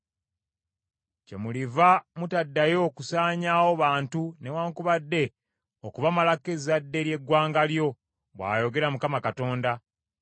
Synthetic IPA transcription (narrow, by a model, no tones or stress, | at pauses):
ce̞̰mulivamutadːajo̞ːkusaːɲaːwo̞βaːntunewaːŋkuβadːe̞ | okuβamalake̞zadːe̞ɾje̞ɡwaːŋɡaljo̞ | βwa̰ːjo̞ɡe̞ɾamukamakato̞ːnda